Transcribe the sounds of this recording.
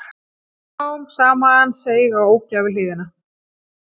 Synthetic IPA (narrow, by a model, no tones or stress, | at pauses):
wʏmsaːmaanseːjɣawoːwcaːvɪl̥ɪːðɪna